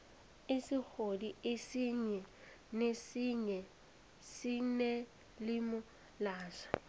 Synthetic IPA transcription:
esixodiesiɲɛ | nesiɲɛ | sinɛ | limʊ | laːʃḁ

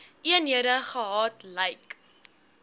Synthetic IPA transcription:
ʔiəniəɾəχəɦɑːtləjk

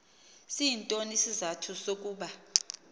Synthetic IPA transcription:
siintʼonisizatʰusok̬ʼuːɓa

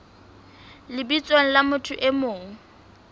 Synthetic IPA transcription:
lɪbit͡sʼwaŋ̩lamʊtʰʊʔɪmoːŋ̩

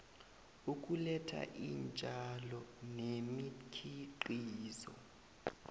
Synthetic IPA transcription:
uk̬ʼulɛtʰa̰ʔint͡ʃʼalɔnemikʰiǃiːzɔ̰

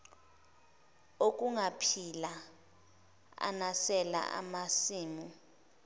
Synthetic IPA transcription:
ok̬ʼuŋapʰila | a̰nasɛla̰ʔa̰masiːmu

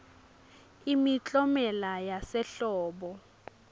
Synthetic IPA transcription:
imit͡ɬʼɔmɛlajasɛɬɔːɓɔ

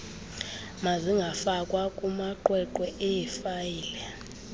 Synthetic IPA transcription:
maziŋɡʱafakʼwakʼumaǃwɛǃɛʔɛjɛfajiːlɛ

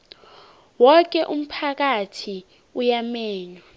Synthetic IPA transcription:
wɔk̬ɛʔum̩pʰak̬atʰi | ujamɛːɲwa

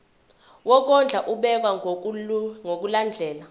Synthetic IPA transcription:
wɔk̬ɔnd͡ɮʱaʔuɓɛk̬wa | ŋok̬uland͡ɮʱɛːla

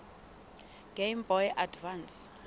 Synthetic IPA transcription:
ɡ̥embɔjʔadvans

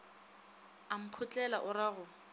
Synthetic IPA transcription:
am̩pʰʊt͡ɬʼɛla̰ʔʊɾaɣʊ

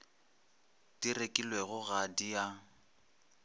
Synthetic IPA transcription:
d̥irekʼilweɣʊɣadija

